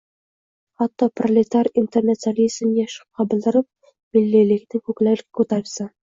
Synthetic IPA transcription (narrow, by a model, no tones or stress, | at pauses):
χɑt̪ːɒprolʲet̪aɾint̪eɾnat̪salʲizmjɑʃq̚qɑbɘ̆ld̪ɪ̆ɾɪp̚ | milːilɪknɪŋkuklækʲkut̪aɾsɑ